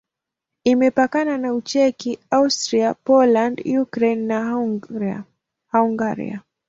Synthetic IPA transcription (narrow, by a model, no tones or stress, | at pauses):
imɛpakananaut͡ʃɛkiaustɾiapɔlandjukɾɛnːa | hauŋɡaɾḭa̰